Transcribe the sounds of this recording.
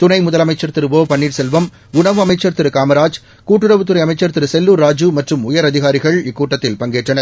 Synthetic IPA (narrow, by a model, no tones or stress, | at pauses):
t̪ʊnɐɪmʊðɐlɐmɐɪt͡ʃːɐɾt̪ɪɾɯʋoːpɐɳːiːʈsɛlʋɐm | ʊɳɐʋɯɐmɐɪt͡ʃːɐɾt̪ɪɾɯkaːmɐɾaːd͡ʒ | kuːʈːɯɽɐʋɯt̪ːɯɾɐɪɐmɐɪt͡ʃːɐɾt̪ɪɾɯsɛlːuːɾːaːd͡ʒɯmɐʈrɯmʊjɐɾɐðɪɣaːɾɪɣɐɭɪkːuːʈːɐt̪ːɪlpɐŋɡeːʈrɐnɐɾ